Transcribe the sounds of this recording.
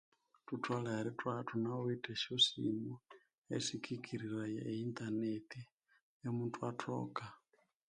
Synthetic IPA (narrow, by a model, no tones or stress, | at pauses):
tutʰwalaɾitwatunaoitʼɛʃosḭmu | ḛsikʰikʰiɾiɾajɛ̰ːint̪aneti | emuntwatʰɔ̰ka